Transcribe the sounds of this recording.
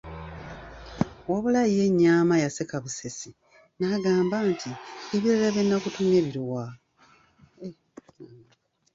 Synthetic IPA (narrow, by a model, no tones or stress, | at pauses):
waβulajije̞ɲːaːmajasekaβusesi | naɡaːmbaːntʰieβiɾalaβjenːakutune̞βiɾuwa